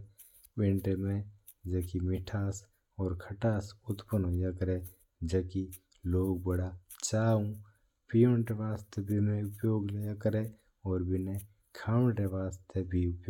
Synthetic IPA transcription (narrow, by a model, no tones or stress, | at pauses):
wɪ̃ɳʈemẽ | d͡ʒəkimɪʈʰaːs | ɔːɾkʰəʈaːsʊt̪pənõjakəɾe | d͡ʒəki | loːɡ̚bəɽa | t͡ʃaːũ | pijoɳʈeʋaːst̪ʰebʱimẽʊpjoːɡljakəɾe | ɔːɾbʱɪne | kʰãːɳʈeʋaːst̪ʰebʱiʊpjoː